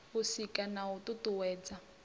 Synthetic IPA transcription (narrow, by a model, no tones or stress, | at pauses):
ʊsikanaututuwɛːd͡za